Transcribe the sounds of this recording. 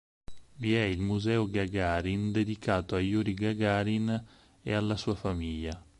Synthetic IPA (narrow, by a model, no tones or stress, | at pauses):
viɛilmuzɛːoɡaɡaːɾind̪ed̪ikaːt̪oajuɾiɡaɡaːɾin | ḛalːasuːafamiʎːa